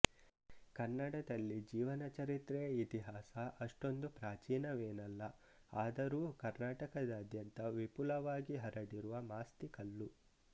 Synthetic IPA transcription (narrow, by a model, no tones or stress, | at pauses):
kɐnːɐɽɐd̪ɐlːid͡ʒiːʋɐnɐt͡ʃɐɾit̪ɾɛjɐit̪iɦaːsɐʔɐʂʈo̞nd̪upɾaːt͡ʃiːnɐʋeːnɐlːɐ | aːd̪ɐɾuːkɐɾnaːʈɐkɐd̪ɐːd̪jɐnt̪ɐʋipulɐʋaːɡiɦɐɾɐɽiɾuʋɐmaːst̪ikɐlːu